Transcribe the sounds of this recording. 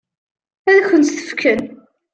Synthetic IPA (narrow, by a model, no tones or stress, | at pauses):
æðæçənt̪θə̥fkʰən